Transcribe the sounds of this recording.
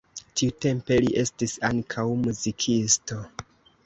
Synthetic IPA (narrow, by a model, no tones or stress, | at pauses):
tiute̞mpe̞liʔe̞stisaŋkʰawmuzikʰisto